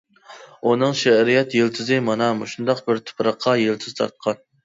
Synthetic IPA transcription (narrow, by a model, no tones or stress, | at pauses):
unɨŋʃɛɾijɛt̪jelt̪ʰɨzɪmɑnɑmuʃund̪ɑqbɪɾt̪ʰʊ̥pɾɑqʰːɑjelˠt̪ʰɨz̥t̪ʰɑ̰t̪̚qʰɑn